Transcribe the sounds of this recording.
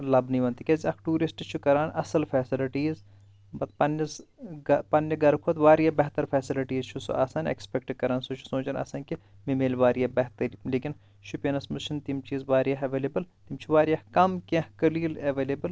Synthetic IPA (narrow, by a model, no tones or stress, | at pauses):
lɐbniʋɐnt̪ikʲɐziɐkʈuːɾisʈt͡ʃʰukɐɾaːnɐ̰sɐlfʰɛːsiliʈiːz | bɐt̪pɐnːɐsɡɐpɐnːɐɡɐɾkʰot̪ʋaːɾijɐbɐɦt̪ɐɾfʰɛːsiliʈiːzt͡ʃʰusṵʔaːsaːnḛkspek̚ʈkɐɾaːnsut͡ʃʰu̥sõːt͡ʃɐnɐ̰ːsɐnki | mimeːlʋaːɾijabɐɦt̪ɐɾleːkin | ʃʰupʲenɐsmɨt͡ʃʰint̪imt͡ʃiːzʋaːɾjaɦɐʋeːlebɨlt̪imt͡ʃʰuʋaːɾijɐhkɐmkʲẽhkɐliːlɐʋeːlebɨl